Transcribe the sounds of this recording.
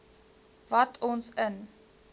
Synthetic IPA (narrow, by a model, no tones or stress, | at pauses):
vɐtʰɔnsən